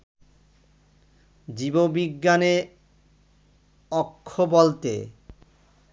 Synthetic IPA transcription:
d͡ʑibobiɡːane | ɔkʰːobɔlt̪ḛ

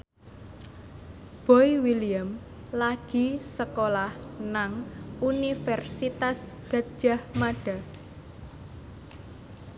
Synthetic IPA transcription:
b̥ɔiwiliam | laɡ̥i̤səkolahnaŋunifɛrsit̪asɡ̥a̤d̥ʒ̥ahmaɖ̥a

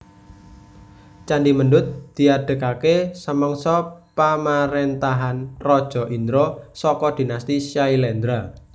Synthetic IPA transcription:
t͡ʃandimənɖʊt̪̚d̪̥i̤ad̥ə̤kakesəməŋsɔpamaɾent̪aɦanrɔd̥ʒ̥ɔ̤ʔind̪ɾosɔkɔd̪̥i̤nast̪iʃailɛnd̪ɾa

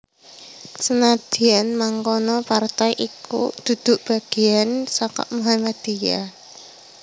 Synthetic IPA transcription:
sənad̪̥i̤anmaŋkɔnɔpart̪ajʔikṵd̪̥ṳd̪̥ʊ̤ʔb̥a̤ɡ̥i̤ansɔkɔ̰ʔmuɦamad̪̥ija̰

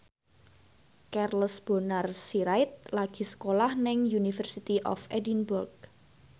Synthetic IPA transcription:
kɛrlsb̥o̤narsiɾaɪt̪̚laɡ̥i̤sə̥kolahnɪŋjunifərsit̪iʔɔ̰fʔɛdinbʊrɡ̚

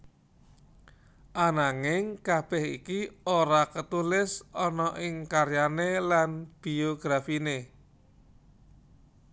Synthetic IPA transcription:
ʔanaŋɪŋkab̥ɛhḭkioɾakət̪ulɪsɔnɔʔɪŋkaɾjanelanb̥ioɡ̥ɾafine

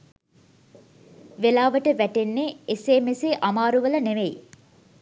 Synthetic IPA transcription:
ʋelaːʋəʈəʋæʈenːeeseːmeseʔamaːɾuʋələneʋeji

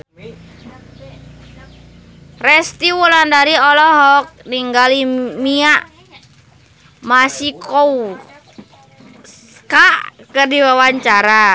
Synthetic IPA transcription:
rɛst̪iwulandaɾiɔlɔɦɔk̚niŋɡalimiaʔ | masikɔw | s | kaʔkɨrdiwawaɲt͡ʃaɾa

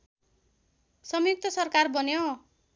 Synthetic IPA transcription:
sʌmjuk̚t̪ʌsʌrkarbʌnjo

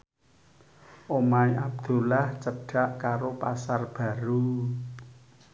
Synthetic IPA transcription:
ʔomaiʔab̚d̪̥o̤laht͡ʃəɖ̥a̤ʔkaɾopasarb̥ä̤ɾu

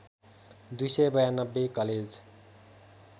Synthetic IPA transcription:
d̪ujsʌjbʌjanʌbːekʌled͡z

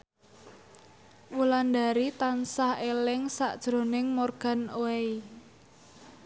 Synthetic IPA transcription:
wuland̪aɾit̪ansahelɪŋsa̰ʔd̥ʒ̥ɾo̤nɪŋmorɡ̥a̤noei

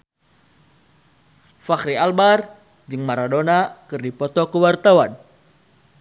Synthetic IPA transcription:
fakɾialbar | d͡ʒɨŋmaɾadonakɨrdipɔt̪ɔkəwart̪awan

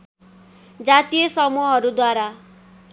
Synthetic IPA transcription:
d͡zat̪ijʌsʌmuɦʌɾud̪waɾa

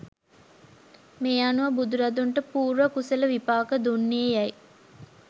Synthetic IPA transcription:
meanuʋɐbud̪uɾɐd̪uɳʈəpuːɾʋɐkuseləʋipaːkəd̪unːeejæj

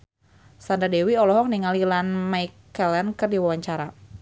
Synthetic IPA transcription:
sandadewiɔlɔɦɔk̚niŋalilanmajkːɛlɛnkɨrdiwawaɲt͡ʃaɾa

